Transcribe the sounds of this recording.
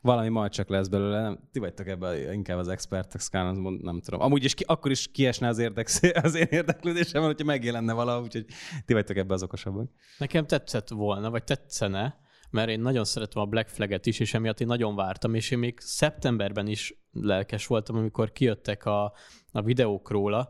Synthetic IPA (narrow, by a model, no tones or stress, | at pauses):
vɒlɒmimɒjt͡ʃɒklɛzbɛløːlɛnɛmt̪ivɒc̚t̪o̞kɛbːɛiŋkaːbɒzɛkspɛrt̪ɛskaːnzmond̪nɛmt̪ud̪o̰mʔɒmuːɟiʃkʔɒkːoɾiʃkiɛʃnɛɒzeːrd̪ɛkseɒzeːneːrd̪ɛkløːd̪eːʃɛmɛlhocʰɒmɛɡjɛlɛnːɛvɒlɒɦouːcho̞ɟ̚t̪ivɒc̚t̪o̞kɛbːɛɒzo̞ko̞ʃɒbːɒk | nɛkɛmt̪ɛt̪sːɛt̪ʋo̞lnɒvɒc̚t̪ɛt̪sːɛnɛ | mɛɾeːnːɒɟo̞nsɛɾɛt̪ɛmɒblɛkflɛɡɛt̪iʃeːʃɛmijɒt̪ːeːnːɒɟo̞ɱvaːrt̪ɒmeːʃeːmːeːɡsɛpt̪ɛmbɛrbɛniʃ | lɛlkɛʃʋo̞lt̪ɒmɒmiko̞rkijøt̪ːɛkɒ | ɒvid̪ɛoːkroːlɒ